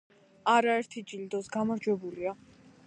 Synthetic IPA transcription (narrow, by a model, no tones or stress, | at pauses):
aɾaɛɾt̪ʰid͡ʒild̪ɔzɡamaɾd͡ʒwɛbulia